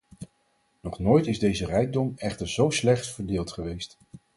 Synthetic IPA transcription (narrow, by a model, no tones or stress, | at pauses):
nɔχnoːjtɪzdejzərɛjɡ̚dɔmɛχtəɹzowslɛχtfəɹdɪːlˠtχəʋejst